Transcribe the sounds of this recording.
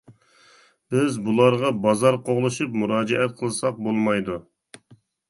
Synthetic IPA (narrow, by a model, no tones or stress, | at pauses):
b̥ɪzbulˠɑɾʁɑbɑzɑɾqʰoʁlˠɨʃupmuɾɑːd͡ʒɛʔɛt̪̚qʰəlˠsɑq̚bolˠmɑjd̪u